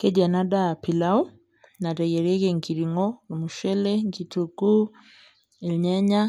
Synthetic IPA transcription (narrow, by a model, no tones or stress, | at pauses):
kɛd͡ʒanaɗapilau | naɾɛjɛɾɛkɛŋkiɾiŋɔmuʃɛlɛŋkituku | ɛlɲaɲa